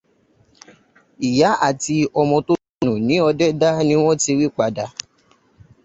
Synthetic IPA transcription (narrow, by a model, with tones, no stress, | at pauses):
i˨ja˨˦ʔa˦˨ti˧ɔ˧mɔ̃˧to˦nũ˨nĩ˨˦ɔ˧dɛ˦da˦nĩ˦w̃ɔ̃˦ti˧ɾi˦k͡pa˧da˧